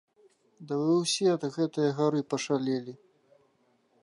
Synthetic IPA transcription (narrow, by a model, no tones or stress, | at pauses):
d̪ɐvɨwsʲɛɐd̪ɣɛt̪ɨjɐɣaɾɨpɐʂalʲɛlʲi